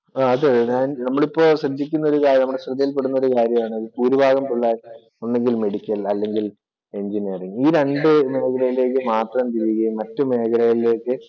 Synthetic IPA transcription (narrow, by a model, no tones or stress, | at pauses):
aːɐðeðeaːnnɐmːɐɭipːo̞ːɕrɐd̪ʱːikʲːunːɐo̞ɾukaːɾɐnɐmːuɽeɕrɐd̪ɐjilpe̞ɽunːɐo̞ɾukaːɾjɐmaːɳɨɐðɨpuːɾubʱaːɣɐmpuɭːaːl | onːe̞ŋɡilme̞ɽikʲːɐlɐlːe̞ŋɡil | e̞ɲd͡ʑiniːriŋiːɾe̞ɳɖɨme̞ːkɐlɐjile̞ːk̬ːɨmaːt̪rɐmt̪iɾijuɣɐjumːɐtːɨme̞ːkɐlɐjiile̞ːkːɨ